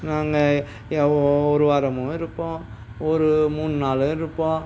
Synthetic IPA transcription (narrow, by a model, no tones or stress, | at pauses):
naːŋɡɐ | ɔɾɯʋɐɾɐmɯ̃ɪɾɯpːõ | ɔɾɯmuːnːɯnaːlɯ̃ɪɾɯpːõ